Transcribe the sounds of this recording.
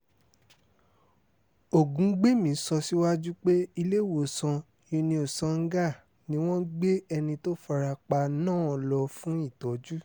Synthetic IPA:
o˨ɡũ˨˦ɡ͡be˦mĩ˨˦sɔ˧si˦wa˦d͡ʒu˦k͡pe˦i˧le˦˨wo˨sɔ̃˧ | jĩ˧nĩ˧o˨sã˨˦ŋ̩˦ɡa˦˨ | nĩ˦w̃ɔ̃˦ɡ͡be˦ɛ˧nĩ˧to˦fa˧ɾa˧k͡pa˧nãː˦˨ɔ˨lɔ˧fũ˦i˦˨tɔ˨˦d͡ʒu˦

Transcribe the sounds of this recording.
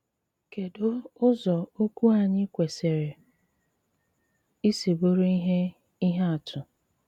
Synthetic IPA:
ke˨dʊ˦ʊ˦zɔ˨o˦kʷu˦a˨ɲɪ˦kʷe˨se˨ɾe˨ | i˦se˨bo˦ɾe˦i˦ɦe˦ | i˦ɦe˦a˨tʰʊ˨

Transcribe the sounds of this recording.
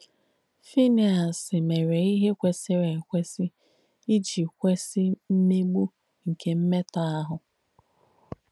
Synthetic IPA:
fi˦ni˨a˨sɪ˨me˨ɾe˨i˦ɦe˦kʷe˨sɪ˦ɾe˨kʷe˦si˦ | i˦d͡ʒi˨kʷe˦si˦m̩˦me˦ɡ͡bu˦ | ŋ̩˨kʰe˨m̩˦me˦ta˦a˦ɦʊ˨

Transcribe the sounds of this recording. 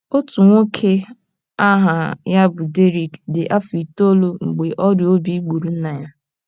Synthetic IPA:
o˦tu˨ŋʷo˦kʰe˦ | a˦ɦa˨ja˦bʊ˨de˦ɾi˨kdɪ˨ʔa˦fi˨to˦lo˦ŋ͡m̩˨ɡ͡be˨ʔɔ˦djo˦bi˨i˦ɡ͡bu˨ɾu˨n̩˦na˨ja˦

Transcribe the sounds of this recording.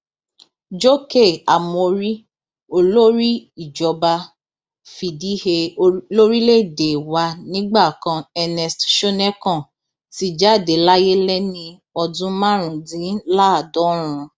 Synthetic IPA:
d͡ʒo˦ke˦˨a˨mo˧ɾi˦ | o˧lo˦ɾi˦i˨d͡ʒɔ˧ba˧ | fi˨di˨˦he˧lo˦ɾi˦le˦˨de˨wa˧˦nĩ˦ɡ͡ba˦˨kã˧ɛ˧nɛ˧stʃo˦nɛ˦kã˦˨ | ti˦d͡ʒa˦˨de˨˦la˦je˦lɛ˦nĩ˧ | ɔ˧dũ˦mã˦ɾ̃ũ˨dĩ˨˦la˦a˨dɔ˨˦ɾ̃ũ˨˧

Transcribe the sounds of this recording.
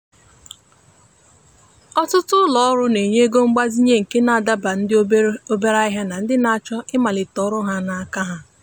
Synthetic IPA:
ɔ˦tʊ˦tʊ˦lɔ˦ɔ˦ɾʊ˦ne˨ɲe˦ɡo˦ŋ͡m̩˦ɡ͡ba˦zi˦ɲe˦ŋ̩˨ke˦na˨a˨da˦ba˨n̩˦dɪ˦o˦be˦ɾa˦ɪ˦ɦa˦na˨n̩˦dɪ˦na˦a˦˨t͡ʃɔ˦ʔɪ˦ma˨lɪ˨tɔ˨˦ɾʊ˦ɦa˦na˨a˦˨ka˦ɦa˦

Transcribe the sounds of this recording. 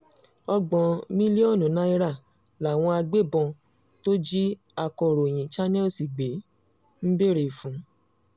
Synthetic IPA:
ɔ˧ɡ͡bɔ̃˨mĩ˦li˦ɔ˦˨nũ˨˦nã˨˦i˧ɾa˦˨ | la˨w̃ɔ̃˧a˧ɡ͡be˦˨bɔ̃˧ | to˦d͡ʒi˦a˧kɔ˧˨ɾo˨j̃ĩ˨t͡ʃa˦nɛ˦˨si˨ɡ͡be˨˦ | n̩˦be˦˨ɾe˨fũ˨˦

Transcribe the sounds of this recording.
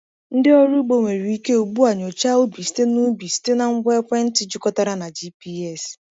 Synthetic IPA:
n̩˦dɪ˦ɔ˦ɾu˦ɡ͡bo˦ŋʷe˨ɾi˨i˦ke˦u˨ɡ͡bu˦a˨ɲo˨t͡ʃa˦o˦bi˨si̥˦te˦nu˦bi˨si̥˦te˦na˨ŋ̩˦ɡʷe˦kʷɛ˦n̩˦ti˦d͡ʒʊ˦kɔ˦ta˦ɾa˦na˨d͡ʒi˦pi˦ɛ˦˨s

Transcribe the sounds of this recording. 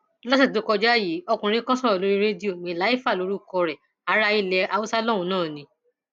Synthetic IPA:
lɔ˦si˦˨du˨˦kɔ˧d͡ʒa˦ji˨˦ɔ˧kũ˨˧ɾ̃ĩ˦kɔ̃˦sɔ̃˦ɔ˨lo˦ɾi˦ɾe˦di˦o˦˨mĩ˧˦˨la˨˦i˦fa˦˨lo˨˧˦ɾu˦kɔ˧ɾɛ˨ | a˨˦ɾa˦i˧˨lɛ˧a˧wu˦sa˦lɔ˦˨ũ˧nãː˦˨nĩ˧˦

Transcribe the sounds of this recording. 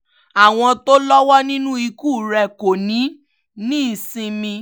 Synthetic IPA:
a˨w̃ɔ̃˧to˦lɔ˦wɔ˦nĩ˦nũ˦i˧ku˦˨ɾɛ˧ko˨nĩ˨˦ | nĩ˦˨sĩ˧mĩ˧

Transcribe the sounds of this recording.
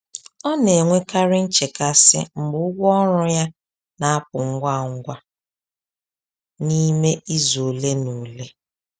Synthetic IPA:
ɔ˦ne˨ŋʷe˦ka˦ɾɪ˦n̩˦t͡ʃe˨ka˦sɪ̰˦m̩˨bʊ˦ʊ˦ɡʷɔ˦ɾʊ˦ja˦ | na˨a˦p̚ʊ˨ŋ̩˦ɡʷa˦˨ŋ̩˦ɡʷa˦ | ni˦me˦ʔi˦zo˨le˦nu˨le˦

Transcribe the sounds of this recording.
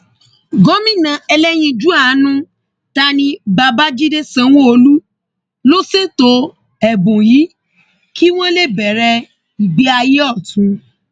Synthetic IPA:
ɡɔ˨˦mĩ˦˨nã˧ɛ˧lɛ˦j̃ĩ˧d͡ʒu˨˦a˦˨˦nũ˦ | ta˦nĩ˧ba˧ba˦d͡ʒi˦de˦sã˧w̃õ˦o˧lu˦ | lo˦se˦˨to˧˦ | ɛ˨bũ˨ji˨˦ | ki˦w̃ɔ̃˦le˦˨bɛ˨ɾɛ˧ | i˨ɡ͡bi˨˦a˧ji˦ɔ˦˨tũ˨˧˦

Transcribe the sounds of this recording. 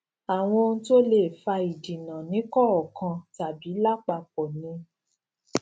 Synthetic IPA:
a˨w̃ɔ̃˧o˧ñ̩˦to˦le˦˨fa˧i˨di˨nã˨nĩ˨˦kɔ˦ɔ˨kã˧ta˨bi˨˦la˦k͡pa˧k͡pɔ˨nĩ˨˧˦

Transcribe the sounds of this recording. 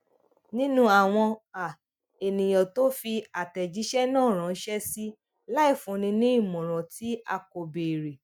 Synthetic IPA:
nĩ˦nũ˦a˨w̃ɔ̃˧a˨ | e˨nĩ˨j̃ɔ̃˨to˦fi˧a˨tɛ˨d͡ʒi˨˦ʃɛ˦nãː˦˨ɾ̃ã˨˦ʃɛ˦si˦ | la˦i˦˨fũ˨˦nĩ˧nĩ˦i˦˨mɔ̃˨ɾ̃ɔ̃˨ti˨˦a̰˧ko˨be˨ɾe˨

